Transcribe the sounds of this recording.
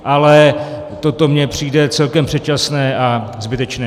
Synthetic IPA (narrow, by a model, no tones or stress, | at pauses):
ʔalɛ | t̪o̞t̪o̞mɲɛpr̝̥iːdɛt͡sɛlkɛmpr̝̥ɛt̪̚t͡ʃasnɛːʔazbɪt̪ɛt͡ʃnɛː